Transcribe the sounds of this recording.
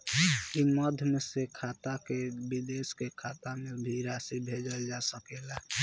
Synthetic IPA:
iməd̪ʱmesekʰat̪akebid̪eskekʰat̪amebʱiɾasibʱed͡ʒəld͡ʒasəkela

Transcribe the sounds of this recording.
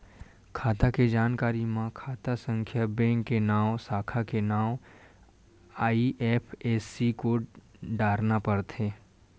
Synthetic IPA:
kʰaːt̪aked͡ʒaːnkaːɾimãkʰaːt̪asə̃ŋkʰjabɛ̃ːŋkːenaːwsaːkʰakenaːw | aːiʔeːpʰeːsikoɖaːɾnapɐɾt̪ʰeː

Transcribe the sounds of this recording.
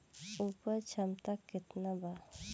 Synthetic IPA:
uːpəɾt͡ʃʰamt̪akːɪt̪naba

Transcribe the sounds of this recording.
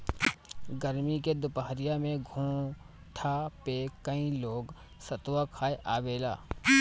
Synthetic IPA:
ɡəɾmiked̪ʊpaɦɾɪjamẽɡʱũː | ʈ̪ʰapekəĩloːɡ | sɐt̪wakʰaːeʔaːʋeːla̰ː

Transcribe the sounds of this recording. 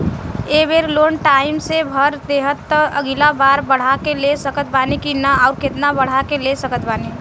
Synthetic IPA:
ebeɾloːnʈaɪmsebʱəɾd̪eɦət̪ːəɡilabaːɾbəɽ̤akelesəkət̪̚banikinəaʊɾket̪nabəɽ̤akelesəkət̪bani

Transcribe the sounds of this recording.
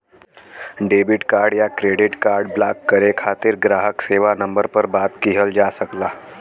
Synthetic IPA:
ɖeːbɪʈkaːɾɖjakɾeɖɪʈkaːɾɖblakːəɾekʰaːt̪ɪɾɡɾaːɦəkseːʋanəmbəɾpəɾbaːt̪kiɦəld͡ʒasəklaː

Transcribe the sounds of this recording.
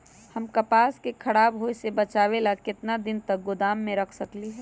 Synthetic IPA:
həmkɐpaːskekʰɐɽaːbɦoːesebət͡ʃaːwelakɪt̪nad̪ɪnt̪ək̚ɡʊd̪aːmːẽɾəkʰsəkliɦɛː

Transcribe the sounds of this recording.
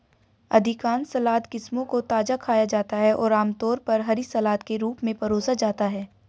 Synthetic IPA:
ɐd̪ʱɪkaːnsɐlaːt̪kɪsmõkot̪aːd͡ʒakʰaːjad͡ʒaːt̪aɦɛʔɔːɾaːmt̪ɔːɾpɐɾɦɐɾisɐlaːt̪keɾuːpmẽpɐɾoːsad͡ʒaːt̪aɦɛː

